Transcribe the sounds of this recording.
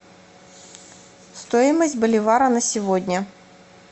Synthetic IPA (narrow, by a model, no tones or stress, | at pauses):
st̪ojɪməsʲtʲbəlʲɪvaɾənəsʲɪvodʲnʲə